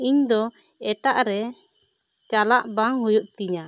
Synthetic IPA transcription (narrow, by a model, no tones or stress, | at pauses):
iɲd̪ɔ | ɛʈaʔɾɛ | t͡ʃalaʔbaŋɦujuʔt̪iɲa